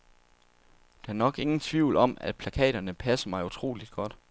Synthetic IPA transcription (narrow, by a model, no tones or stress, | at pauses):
d̥ɑæɐnɒ̽ɡ̥e̝ŋn̩t͡sʰʋiʊ̰lɒ̽m̰æd̥̚pʰlækʰɛ̰ːɾ̥ɐnəpʰæsɐmɑ̈ɪut͡sʰʁo̝̰ːlid̥̚ɡ̥ɒ̽d̥